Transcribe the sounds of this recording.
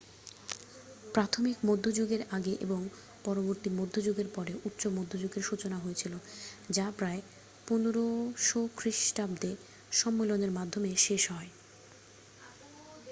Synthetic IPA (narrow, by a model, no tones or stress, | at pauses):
pɾat̪ʰomikmod̪ʱːod͡ʑoɡeɾaɡeʔḛboŋ | pɔɾoboɾt̪imod̪ʱːod͡ʑoɡeɾpɔɾeʔut̪ːɕomod̪ʱːod͡ʑoɡeɾʃut͡ɕonaɦojet͡ɕʰilod͡ʑapɾae | punoɾoʃokʰɾiʃʈabd̪e | ʃɔmːeloneɾmad̪ʱomeʃeʃɦɔe